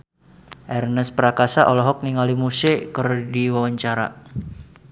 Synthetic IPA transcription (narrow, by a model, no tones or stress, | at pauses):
ʔɛrnəspəɾakasaʔɔlɔɦɔk̚niŋalimusekərdiwawaɲt͡ʃaɾa̰